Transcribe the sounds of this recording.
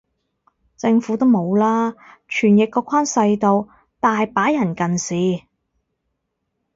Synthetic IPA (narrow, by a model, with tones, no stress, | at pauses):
t͡sɪ˧ŋfuː˨˥t̪o˥wmo˨˧wlaː˥t͡ʃʰyː˨˩njɪ˨kːɔː˧kʷʰaː˥nsɐ˧jt̪o˨˧w | t̪aː˨hɐ˨jpaː˨˥jɐ˨˩nkɐ˨nsiː˨˧